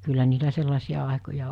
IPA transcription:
kylːæ niːtæ selːɑsiɑ ɑˑekojɑ

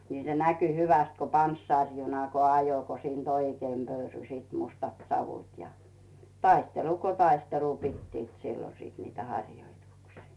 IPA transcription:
niˑ se næky hyʋæst ko pɑnsːɑˑrjunɑ ko ɑjo ko siːnt oikeim pøyrysiːt mustɑt sɑʋut jɑ tɑistelu ko tɑistelu pitːiːt silːo siˑt niːt hɑrʲjoituksiː

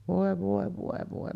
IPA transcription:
ʋoˑe ʋoˑe ʋoˑe ʋoˑe

